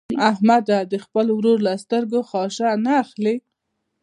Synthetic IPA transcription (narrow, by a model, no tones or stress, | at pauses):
ahmad̪ad̪əxpəlowɾoɾlast̪əɾɡoxɑʃanaːxle